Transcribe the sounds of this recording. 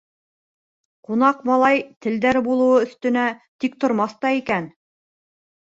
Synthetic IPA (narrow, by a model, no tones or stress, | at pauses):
qunɑqmɑlˠɑjt̪ɘ̆ld̪æɾbulˠɤ̆wɤɵ̆θt̪ɵ̆næt̪ik̚t̪ŏɾmɑθt̪ɑikæn